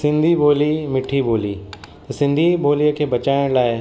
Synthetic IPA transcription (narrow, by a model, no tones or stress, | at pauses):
sɪ̃nd̪ʱiboːlimɪʈʰiboːlḭt̪ɐsɪ̃nd̪ʱibʱoːlijəkʰeːbɐt͡ɕaːɪɽ̃laːɪ